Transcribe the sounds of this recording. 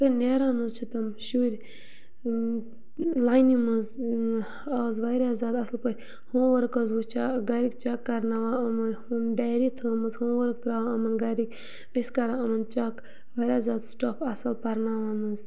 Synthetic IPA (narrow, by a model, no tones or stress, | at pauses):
t̪ɨneːɾaːnɐzt͡ʃʰit̪ɐmʃuɾʲ | laːjnimɐz | əzʋaɾʲaːzaːd̪ɐsɐlpɐɾʲ | hoːmʋɐɾkɐzbut͡ʃaɡɐɾikt͡ʃakːɐɾnaːʋaːɐmɐnhumɖaːɾit̪ʰəːmɐzhoːmʋɐɾkt̪ɾaːʋaɐmɐnɡɐɾik | əskɐɾaːɐmɐnt͡ʃak | ʋɐɾʲaːzaːd̪sʈɐpʰɐsɐlpɐɾnaːʋaːnɐz